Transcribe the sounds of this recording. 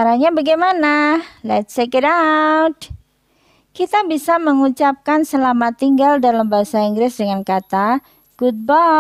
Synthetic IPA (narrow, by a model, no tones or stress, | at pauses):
aɾaɲabaɡajmanalɛt̪̚sekədawd | kit̪abisaməŋut͡ʃap̚kansəlamat̪iŋɡaldalambaɦasaiŋɡɾɪsdəŋankat̪a | ɡ̥ut̪̚bɔ